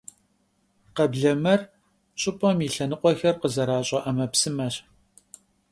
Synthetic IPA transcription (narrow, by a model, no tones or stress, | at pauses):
qɐbɮɐmɐr | ɕʼɪpʼɐmiɬɐnɨqʷɔxɐrqəzɐɾaːɕʼɐʔɐmɐpsɨmɐɕ